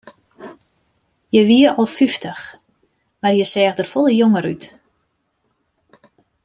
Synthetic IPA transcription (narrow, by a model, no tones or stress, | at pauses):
jəʋiəʔɔlˠfyftʰəx | marjəsɛːxdərfolˠəjoŋəɾyt